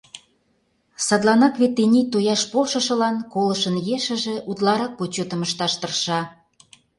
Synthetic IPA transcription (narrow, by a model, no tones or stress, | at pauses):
sɑd̪lˠɑnɑkβet̪ːenʲit̪ojɑʃpolʃɤ̆ʃɤ̆lɑnkolɤ̆ʃə̆njeʃə̆ʒĕʔut̪lɑɾɑk̚pot͡ɕot̪ə̆məʃt̪ɑʃt̪ə̆rʃɑ